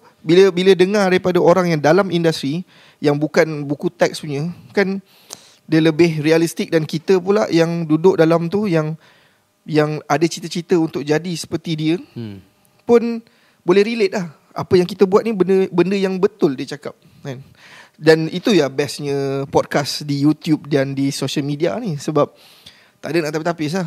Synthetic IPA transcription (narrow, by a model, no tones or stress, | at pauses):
biləbilədəŋardaɾipadaoɾaŋjaŋdalamindast̪ɾi | jaŋbukanbukut̪ɛk̚suɲə̃kan | dələbɪhrialist̪ɪk̚dankit̪əpulaʔjaŋdudʊʔ̚dalamt̪ujaŋ | jaŋadat͡ʃit̪ət͡ʃit̪əunt̪ʊk̚d͡ʒadisə̥pərt̪idiə | pʊn | bolɛhɾilet̪̚lah | apəjaŋkit̪əbuat̪̚nibəndəbəndəjaŋbət̪ʊldiət͡ʃakap̚ | kan | danit̪ujabɛsɲə̃pɔd̚kasdijut̪jub̚dandisoʃəlmidianisəbap̚ | t̪aʔdənaʔt̪apit̪apɪs̬lah